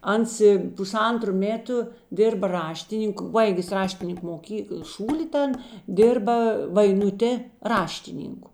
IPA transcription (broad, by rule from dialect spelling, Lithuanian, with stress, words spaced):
ˈɐns ɪ pʊˈsɐntrʊ ˈmʲeːtʊ ˈdʲɪrbɐ ˈrɑːʃʲtʲɪnʲɪŋk ˈbɐɪɡʲɪs ˈrɑːʃʲtʲɪnʲɪŋk moːˈkʲiːkəlˠ ˈʃuːlʲɪ ˈtɐn ˈdʲɪrbɐ ʋɐɪnʊˈtʲeː ˈrɑːʃʲtʲɪˌnʲɪŋkʊ